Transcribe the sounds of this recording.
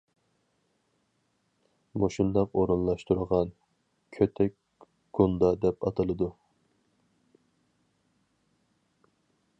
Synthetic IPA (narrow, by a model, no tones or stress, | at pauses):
moʃund̪ɑqoɾɨnlˠɑʃt̪uɾəʁɑn | kʲʰøt̪ʰɛ | ɡ̥ond̪ɑd̪ɛpɑt̪ʰɨlˠɨd̪u